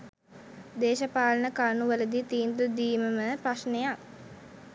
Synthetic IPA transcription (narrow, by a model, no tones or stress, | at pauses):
d̪eːʃəpaːlənəkaɾnuʋələd̪it̪iːnd̪ud̪iːməməpraʃnejak